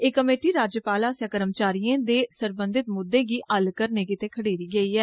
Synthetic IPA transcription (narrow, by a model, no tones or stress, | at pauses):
eːkəmeːʈiːɾaːd͡ʒjəpaːlaːsjaːkəɾəmt͡ʃaːɾijẽːd̪eːsəɾbə̃nd̪ɪt̪̚mʊd̪ːẽːɡiːəlkəɾneːkɪt̪eːkʰəɽeːɾiːɡəiːɦɛː